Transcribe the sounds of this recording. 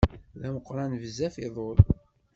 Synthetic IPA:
ðæməqːɾˤɑnvəzæfiðˤol

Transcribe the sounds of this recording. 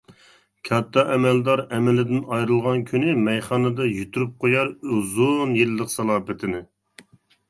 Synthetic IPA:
kʲʰɑt̪ʰːɑʔɛmɛld̪ɑɾɛmɪlɪd̪ɪnɑjɾɨlˠʁɑnkʲʰynɪmɛjχɑːnɨd̪ɑjyt̪ʰyɾyp̚qʰojɑɾøzonjelləqsɑlˠɑːpɪt̪ʰɪnɪ

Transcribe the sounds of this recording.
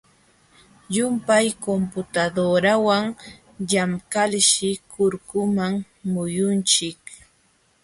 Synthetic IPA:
jʊmpajkompʊt̪ad̪oɾawaŋ | ʎamkalʃɪkʊɾkʊmaŋ | mʊjʊnt͡ʃɪk

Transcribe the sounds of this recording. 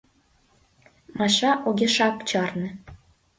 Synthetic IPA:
mɑʃɑʔuɡʲeʃɑkt͡ɕɑrnɤ̆

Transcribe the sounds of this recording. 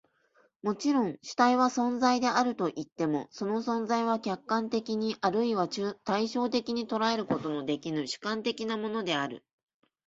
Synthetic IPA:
mo̞t͡ɕiɾõ̞ŋ̃ɕi̥t̪aiβasõ̞nzaid̪e̞aɾɯ̟t̪o̞ʔit̪ːe̞mo̞̰so̞no̞sõ̞nzaiβ̞akʲakːãnt̪e̞kʲiɲ̟iʔaɾɯ̟iβat͡ɕːt̪aiɕo̞ːt̪e̞kʲiɲ̟it̪o̞ɾae̞ɾɯ̟ko̞t̪o̞no̞d̪e̞kʲinɯ̟ɕɨ̥kãnt̪e̞kʲinamo̞no̞d̪e̞aɾɯ̟̰

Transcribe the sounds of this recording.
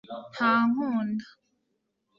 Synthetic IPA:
haːŋ̥uːnda

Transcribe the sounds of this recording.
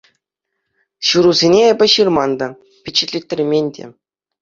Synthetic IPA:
ɕuɾuzʲenʲeebʲɘ̆ɕɯrmɑnd̪ɑ | pʲet͡ɕɘ̆tʲlʲetʲɘ̆rʲmʲenʲdʲḛ

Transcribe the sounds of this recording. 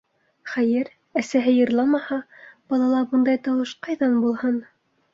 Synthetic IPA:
χæjɘɾ | æsæɦɘjɤ̆ɾlˠɑmɑhɑb̥ɑlˠɑlˠɑbɤnd̪ɑjt̪ɑwɤʃqɑjðɑnbulˠhɤn

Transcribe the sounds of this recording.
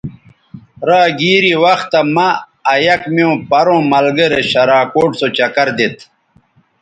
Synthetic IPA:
ɾaːɡiːɾiwɐxt̪ːɐmɐː | jɐkmiõːpɐɾõːmɐlɡɐɾeɕɐɾaːkoːʈsot͡ɕɐkɐɾd̪et̪ʰ

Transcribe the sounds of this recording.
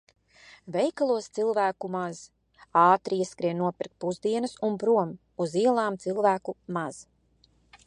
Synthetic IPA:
vɛjkalˠuɔst̪silˠvæːkumaz̥ | ɑːt̪ɾiiskɾiɛnuɔpiɾk̚t̪puzd̪iɛnɐsunbɾuɔm | uziɛlˠaːmt̪silˠvæːkumaz̥

